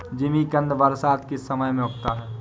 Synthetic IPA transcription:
d͡ʒɪmikə̃nd̪ʋɐɾsaːt̪kesɐməjmẽɦʊʈ̚ʰt̪aɦɛː

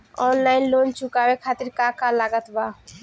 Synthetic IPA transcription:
ɔnlajnlont͡ʃukabekʰat̪iɾkakalaɡat̪ba

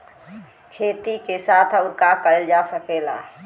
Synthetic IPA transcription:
kʰeːt̪ikesaːt̪ʰəʊɾkakəld͡ʒasəkeːla̰ː

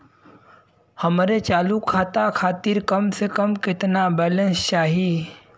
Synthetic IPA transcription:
həmɾet͡ʃaːlukʰaːt̪akʰaːt̪iɾkəmsekəmkɪt̪nabɛːlə̃nst͡ʃaːɦiː

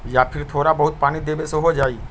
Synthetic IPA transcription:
japʰiɾt̪ʰoɾabɔɦut̪̚panid̪ebesoɦod͡ʑaj

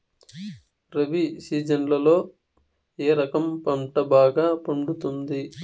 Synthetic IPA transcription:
ɾɐbisiːd͡ʒɐɳɖlɐlo̞ː | eːɾɐkɐmpɐɳʈɐbaːɡaːpuɳɖut̪und̪i

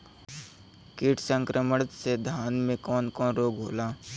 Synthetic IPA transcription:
kiːʈʰsə̃ŋkɾʔəməɽt̪sed̪ʱaːnmẽkɔːnkɔːnɾoːɡɦoːlaː

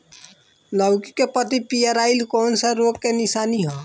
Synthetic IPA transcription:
ləwki̥kepət̪ipijəɾaːilkɔːnsəɾokkenisaːniɦo

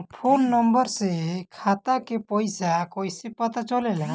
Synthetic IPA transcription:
pʰoːnːəmbəɾsekʰat̪akepɔjsakojsepət̪at͡ʃɔlela

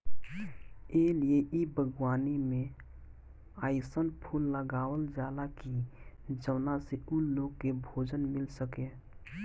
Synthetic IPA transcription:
eːlieʔibʱəɡwaːnimẽ | aːɪsənpʰuːlːəɡaːwəld͡ʒaːd̪akid͡ʒəʋnaseuloːɡ̚kebʱoːd͡ʒənmɪlsəkeː

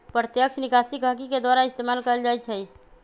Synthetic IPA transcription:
pɾət̪jəkʃʰnikasikə̃kiked̪waɾaɪst̪emaːlkəəld͡ʒajt͡ʃʰəi

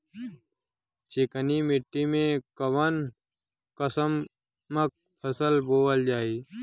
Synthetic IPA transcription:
t͡ʃɪkənimɪʈːimẽkəʋən | kəsəmː | ək̚ | pʰəsəlboːəld͡ʒaːiː

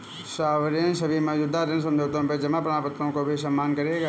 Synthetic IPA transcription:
ʃaːʋɾensɐbʱimɐːd͡ʒuːd̪aɾens̬ɐ̃md͡ʒʱoːt̪õped͡ʒɐmapɾaːpət̪ɾõkobʱisɐmːaːnkɐɾeːɡaː

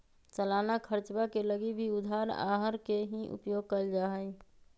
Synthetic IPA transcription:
t͡ʃəlaːnakʰəɾt͡ʃbakeləɡibʱiʊd̪ʱaːɾa̰ːɦəɾkeɦiʔʊ̰pjoːɡ̚kəld͡ʒaːɦəi

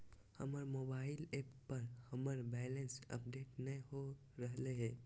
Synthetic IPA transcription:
hə̰məɾmobaɪlepːəɾhəməɾbɛlənsə̰pɖeʈnəɦo | ɾəɦleɦɛ̃

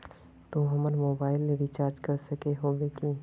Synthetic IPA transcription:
t̪ũɦɐməɾmoːbaːɪlːeɾit͡ʃaːɾd͡ʒkɐɾsɐkeɦoːbeːkĩː

